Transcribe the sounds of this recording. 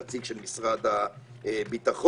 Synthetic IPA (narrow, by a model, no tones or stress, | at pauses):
at͡siɡʃɛlmisʁata | bitaχɔ